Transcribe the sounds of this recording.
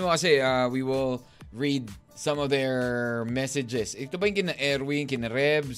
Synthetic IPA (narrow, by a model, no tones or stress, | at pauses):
mokɐsɛawiwɪlˠ | ɹid̪̚ | sɐ̃mɔvðɛɹmɛsɪd͡ʒɛsɪt̪obɐɪ̃ŋkɪnɐʔɛɾwɪ̃ŋkɪnɐɾɛbs